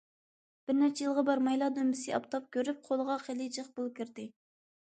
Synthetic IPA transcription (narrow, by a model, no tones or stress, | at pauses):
b̥ɪɾnɛt͡ʃʰejilˠʁɑbɑɾmɑjlˠɑːd̪ømbɪsɪɑ̰pt̪ʰɑp̚kʲʰøɾyp̚qʰolˠəʁɑqʰelˠɨd͡ʒəχbulˠkʲiɾd̪ɪ